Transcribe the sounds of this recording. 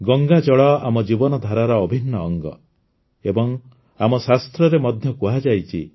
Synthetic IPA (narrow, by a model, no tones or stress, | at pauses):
ɡɔŋɡad͡ʒɔɭɔamɔd͡ʒibɔnɔd̪ʱaɾaɾɔɔbʱinːɔːŋɡɔ | ebɔŋ | amɔsast̪ɾɔɾemɔd̪ʱjɔkuɦad͡ʒajt͡ʃʰḭ